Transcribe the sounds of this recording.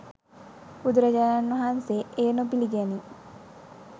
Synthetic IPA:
pud̪ɾəd͡ʒaːɾanʋɐɦanseeːnopiliɡæni

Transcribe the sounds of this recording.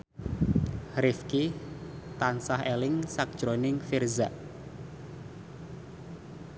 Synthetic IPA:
ɾɪfki | t̪ansahelɪŋsak̚d̥ʒ̥ɾonɪŋfɪrzaʔ

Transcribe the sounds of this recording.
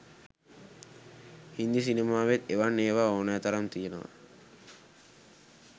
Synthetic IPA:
hind̪is̬inemaːʋet̪eʋanːeːʋaːoːnaːt̪ɐɾamt̪ijenoʋɐ̰

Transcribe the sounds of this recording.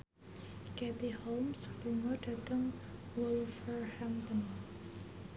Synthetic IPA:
kɛt̪ihomsluŋɔɖ̥ä̤t̪əŋ | wulfərhamt̪ɔn

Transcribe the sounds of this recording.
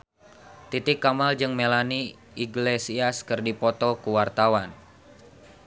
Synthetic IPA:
t̪it̪ɪkːamald͡ʒɨŋmelani | iɡlesiaskɨrdipɔt̪ɔkuwart̪awan

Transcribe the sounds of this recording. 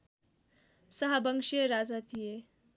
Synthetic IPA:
sɐɦabəŋʃieɾad͡zat̪ije

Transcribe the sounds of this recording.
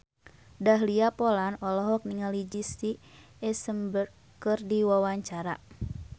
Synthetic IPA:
daɦliapɔlanɔlɔɦɔk̚niŋalid͡ʒist̪i | ɛsəmbər | kɨrdiwawaɲt͡ʃaɾa̰

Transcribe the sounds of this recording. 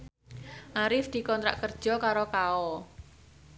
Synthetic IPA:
ʔaɾɪfd̪̥i̤kɔnt̪ɾa̰ʔkərd̥ʒ̥ɔ̤kaɾokaɔ

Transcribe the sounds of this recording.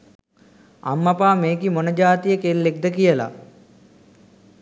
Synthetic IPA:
a̰mːapaːmeːkimonəd͡ʒaːt̪ijəkelːek̚d̪əkijəla̰

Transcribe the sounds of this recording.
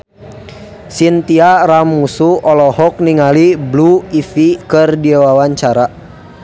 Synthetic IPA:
sint̪iaɾamːusuɔlɔhɔk̚niŋalibluifikərdiawawaɲt͡ʃaɾa

